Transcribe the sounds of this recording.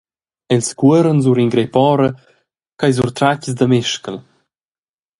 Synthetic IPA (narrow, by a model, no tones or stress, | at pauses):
ɛlskuəɾənz̬uɾiŋɡɾepɔɾə | kajzuɾt̪ɾacəzd̪əmeʃkəl